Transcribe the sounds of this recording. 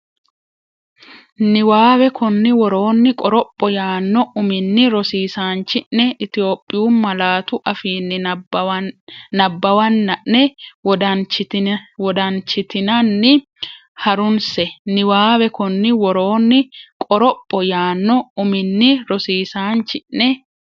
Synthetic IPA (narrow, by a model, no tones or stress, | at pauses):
nɪwaːwɛkɔnːɪwɔɾoːnːɪkʼɔɾɔpʼːɔjaːnːɔʊmɪnːɪɾɔsiːsaːnt͡ʃːɪnːɛʔɪt̪ɪjo̞ːpʼːɪjuːmɐlaːt̪ʊʔɐfiːnːɪ | nɐbːɐwɐnːɐʔnɛwɔd̪ɐnt͡ʃːɪwɔd̪ɐnt͡ʃːɪt̪ɪnɐnːɪ | hɐɾʊnsɛnɪwaːβɛkɔnːɪwɔɾoːnːɪkʼɔɾɔpʼːɔjaːnːɔʊmɪnːɪɾɔsiːsaːnt͡ʃːɪʔnɛ